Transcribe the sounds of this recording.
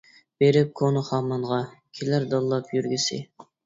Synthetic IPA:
b̥eɾɪp̚kʰonʊχɑmɑnʁɑkʲʰilæɾd̪ɑlˠːɑpʰjyɾɡʲisɪ̰

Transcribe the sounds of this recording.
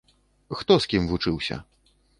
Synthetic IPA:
xt̪ɔskʲimvut͡ʂɨwsʲɐ̰

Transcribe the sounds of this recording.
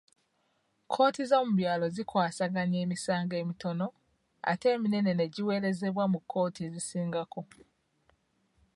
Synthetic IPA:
kʰo̞ːtizo̞ːmuβjaːlo̞zikwaːsaɡaɲe̞ːmisaːŋɡe̞ːmito̞no̞ | a̰te̞ːmine̞ne̞ne̞ɟiwe̞ːɾe̞ze̞βwamukʰːo̞ːtʰizisiːŋɡako̞

